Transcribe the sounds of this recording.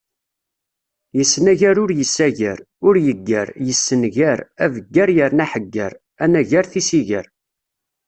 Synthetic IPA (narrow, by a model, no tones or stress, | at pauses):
jəsːnæʝæɾʊɾjəsːæʝəɾ | ʊɾjəɡːæɾjəsːənʝæɾævəɡːaɾjəɾnæħəɡːəɾ | ænæʝaɾθisiʝəɾ